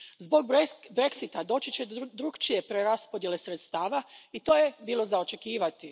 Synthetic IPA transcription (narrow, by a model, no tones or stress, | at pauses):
zbo̞ɡ̚bɾe̞ksit̪ad̪o̞ːt͡ʃit͡ɕe̞d̪d̪ɾukt͡ʃije̞pɾe̞ɾaspod̪je̞le̞sɾe̞t̪st̪aːʋait̪o̞ːje̞biːlˠo̞zao̞t͡ʃe̞kiːʋat̪i